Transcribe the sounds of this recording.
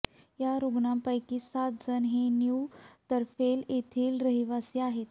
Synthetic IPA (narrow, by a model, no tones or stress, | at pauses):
jaɾuɡɳampəjkiːsat̪̚d͡zənɦenjuwt̪əɾfelet̪ʰeːlɾəɦiʋasiaɦet̪